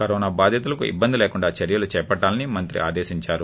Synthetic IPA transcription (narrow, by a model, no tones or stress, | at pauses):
kɐɾɔːnaːbaːd̪ʱjɐt̪ulɐkuḭbːɐnd̪ileːkuɳɖaːt͡ʃɐɾjɐlut͡ʃɛːpɐʈːaːlɐnimɐnt̪ɾḭʔa̰ːd̪eːʃiɲt͡ʃaːɾu